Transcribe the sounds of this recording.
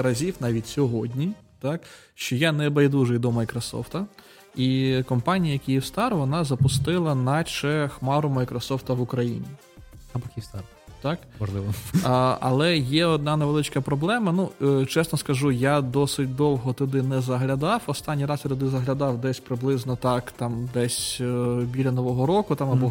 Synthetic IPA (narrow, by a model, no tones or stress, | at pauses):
ɾɐzʲiwnɑʋʲitʲsʲɔɦɔdʲnʲi | t̪ɑk | ʃt͡ʃɔjanɛbɐjd̪uʒɛd̪ɔmɐjkɾɔsɔ̰ft̪ɐ | ikɔmpɑnʲijɐjɐkʲijiwst̪ɑɾʊʋɔnɑzɐpʊst̪ɪlˠɐnɐt͡ʃɛxmɑɾʊmɐjkɾɔsɔft̪ɐʋʊkɾɐjḭnʲi | ɐbɔkʲist̪ɑr | t̪ɑkmɔʒlˠɪʋɔ | ɐ̰lˠɛjɛɔd̪̚nɑnɐjʋelˠɪt͡ʃkɐpɾɔblˠɛmɐnut͡ʃɛsnɔskɐʒujad̪ɔsɪt̚ʲd̪ɔwˠɦɔt̪ɔd̪ɪnɛzɐɦlʲɐd̪ɑwɔst̪anʲːijɾɑsjʲɐt̪ɔd̪ɪzɐɦlʲɐd̪ɑwd̪ɛsʲpɾɪblˠɪznɔt̪ɑkt̪ɑmd̪ɛsʲbʲilʲɐnɔʋɔɦɔɾɔkʊt̪ɑmɐbɔ